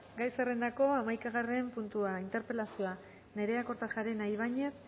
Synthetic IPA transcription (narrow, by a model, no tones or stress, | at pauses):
ɡajsere̞nd̪ako̞amajkaɣ̞are̞mpunt̪uaint̪e̞ɾpe̞lasua | ne̞ɾe̞ako̞ɾt̪aʝaɾenajβ̞aɲe̞s